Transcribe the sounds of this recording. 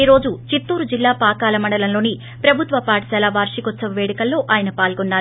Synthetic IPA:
iɾo̞ːd͡ʒut͡ʃit̪ːuːɾud͡ʒilːaːpaːkaːlɐmɐɳɖɐlɐmlo̞ːni | pɾɐbʱut̪ʋɐpaːʈɐsɐlɐʋaːɾʂikɔt̪ːsɐʋɐʋeːɽɐkɐlːo̞ːʔaːjɐnɐpaːlɡɔnːaːɾ

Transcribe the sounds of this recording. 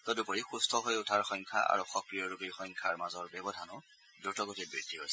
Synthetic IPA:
tɔdupɔɹixustʰɔɦojotʰaɹxɔŋkʰa̰ʔa̰ɹuxɔkɹijɔɹubijxɔjŋkʰaɹmazɔɹbjɛbɔdʱanʊ | dutɔɡotibɹḭɹdʱiɦojsɛ̥

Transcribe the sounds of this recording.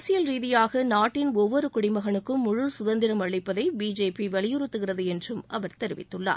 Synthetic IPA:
sɪjɐlɾiːðɪjaːɣɐnaːʈːɪnɔʋːɔɾɯkʊɽɪmɐɣɐɳɯkːɯmːʊɻʊlsʊðɐnd̪ɪɾɐmɐɻɪpːɐðɐɪbiːd͡ʒeːpiʋɛɭɪjɯɾɯt̪ːɯɣɪrɐðɯɛndrɯmɐʋɐɾt̪ɛɾɪʋɪ̰t̪ːɯɭːa̰ːɾ

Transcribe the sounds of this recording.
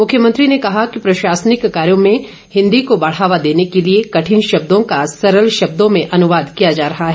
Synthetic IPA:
mʊkʰjəmɐ̃nt̪ɾinekɐɦakipɾɐʃaːsənɪkkaːɾjõmẽ | hɪ̃nd̪ikobɐɽ̤aːʋad̪eːnekeliekɐʈʰɪnʃɐb̚d̪õkasɐɾəlʃɐb̚d̪õmẽʔɐnʊʋaːd̪kijad͡ʒaːɾɐɦaɦɛː

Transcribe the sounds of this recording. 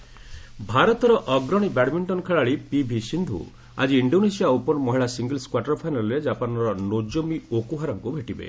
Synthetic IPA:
bʱaɾɔt̪ɔɾɔʔɔɡɾɔɽ̃ibɛɽmiɳʈɔnkʰeɭaɭipibʱisind̪ʱṵ | a̰d͡ʒiːɳɖonesiaupɔɾmɔɦiɭasiŋɡelskwaʈɔɾpʰajnalɔɾed͡ʒapanɔɾɔnod͡ʒomiokuɦaɾɔŋkubʱeʈibḛ

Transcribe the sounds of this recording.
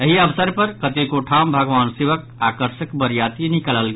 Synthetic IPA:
əɦiəbsəɾpəɾkət̪ekoʈʰambʱəɡʋaːnseʋək | akəɾʃəkbəɾjat̪inikələlɡ

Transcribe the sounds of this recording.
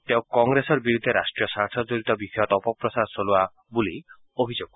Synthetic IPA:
t̪ewkɔŋɡɾesɔɾbiɾud̪ʱːeɾasʈɾiɔsaɾt̪ʰɔd͡ʒoɾit̪ɔbikɔjɔt̪ɔpɔpɾɔsaɾsolua | buli | obʱid͡ʒoɡ̚

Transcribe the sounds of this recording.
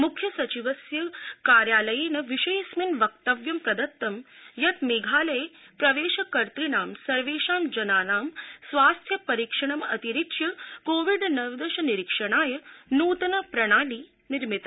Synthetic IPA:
mukʰjɐsɐt͡ʃiʋɐsjɐkaːɾjaːlɐjeːnɐʋiʃɐjsminʋɐk̚t̪ɐʋjɐmpɾɐd̪ɐt̪ːɐmjɐt̪meːɡʱaːlɐjpɾɐʋeːʃɐkɐɾt̪ɾinaːmsɐɾʋeːʃaːmd͡ʒɐnaːnaːmsʋaːst̪ʰjɐpɐɾikʂɐɳ̃ɐmɐt̪iɾikʃjɐkoːʋiɖnɐʋd̪ɐʃɐniɾikʂɐɽ̃aːjɐnuːt̪ɐnɐpɾɐɽ̃aːliː | niɾmit̪a

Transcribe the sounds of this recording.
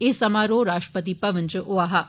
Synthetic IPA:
eːsɐmaːɾoːɾaːʃʈɾəpət̪ipɐʋənt͡ʃəʔoaɦa

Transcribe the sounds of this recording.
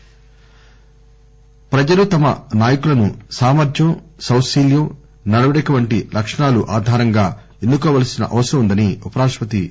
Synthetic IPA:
pɾɐd͡ʒɐlut̪ɐmɐ̰naːjɐkulɐnusaːmɐɾd͡ʒjɐmsɐwsiːljɐm | nɐɽɐʋɐɽɐʈɐʋɐɳʈilʔɐkʂɐɳaːluʔaːd̪ʱaːɾɐŋɡaː | e̞nd̪ukɔːʋɐːlɐsinɐʔɐʋɐsɐɾɐmund̪ɐniupɐɾaːʂpɐt̪i

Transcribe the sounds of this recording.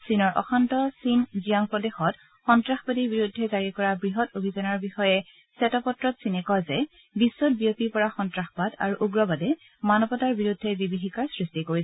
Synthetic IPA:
sinɔɹʔɔ̰xantɔsinzijaŋpɹɔdexɔt | xɔntɹaxbadiɹbiɹudʱːɛzaɹikɔɹabɹiɦɔtobʱizɔnaɹbixɔjɛ | sɛtɔpɔtɹɔtsinɛkɔzɛ | bisːɔt̚bijopipɔɹaxɔntɹaxpada̰ɹuʔuɡɹɔbadɛ | manɔpɔtaɹbiɹudʱːɛbibiɦikaɹsɹistikoɹis

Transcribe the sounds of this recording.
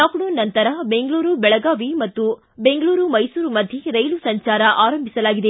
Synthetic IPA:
laːknunnɐnt̪ɐɾɐbe̞ŋɡɭuːɾubɛɭɐɡaːʋimɐt̪ːu | be̞ŋɡɐɭuːɾumɐjsuːɾumɐd̪ʱjiɾɐjlusɐɲt͡ʃaːɾɐʔaːɾɐmbʱisɐlaːɡid̪e

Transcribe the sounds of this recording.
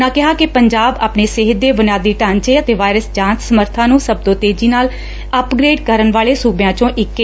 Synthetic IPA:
nãːkɪɦaːkɪpəɲd͡ʒaːba̰ːpneːsɪɦət̪̚d̪eːbənjaːd̪iːʈaːnt͡ʃeːət̪eːʋaːɪɾəsd͡ʒãːnt̪səməɾt̪ʰãːnũːsəb̚d̪õːt̪eːd͡ʒiːnaːl | əpɡɾeːɖkəɾənʋaːleːsuːbejãːt͡ʃõːʔɪkː

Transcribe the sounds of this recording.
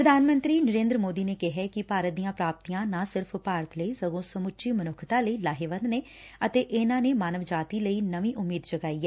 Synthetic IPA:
pɾəd̪ʱaːnmə̃nt̪ɾiːnəɾẽːnd̪ɾəmoːd̪iːneːkɪɦɛːkɪpaːɾət̪̚d̪ijãːpɾaːp̚t̪iːãːnãːsɪɾpʰpaːɾət̪ləiːsəɡõːsəmʊtːt͡ʃʃiːmənʊkʰt̪ãːləiːlaːɦeːʋənd̪neː | ət̪eːʔɪnãːneːmaːnəʋd͡ʒaːt̪iːləiːnəʋĩːʔʊmːiːd̪d͡ʒəɡaːiːɛː

